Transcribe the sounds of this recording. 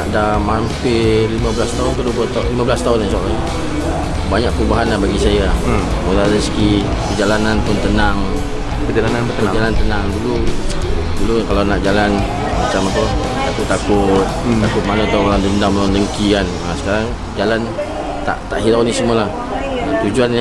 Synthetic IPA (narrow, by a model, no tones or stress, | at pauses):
naʔdamampelimabəlast̪aɦʊnkədupət̪alimabəlast̪aɦʊnlasaʔla | baɲaʔ̚pəubaɦanlahbaɡisajamutaadəsəki | pəd͡ʒalananpʊnt̪ənaŋ | pəd͡ʒalanan | d͡ʒalant̪ənaŋdulu | dulukalawnaʔd͡ʒalan | mat͡ʃamapə | t̪akʊt̪ːakʊt̪̚akʊt̪̚manaat̪awoɾaŋdəndamlandəŋkikanasə̥kaɾaŋ | d͡ʒalan | t̪a̰ʔt̪aʔɦiɾanisəmualah | at̪ud͡ʒuan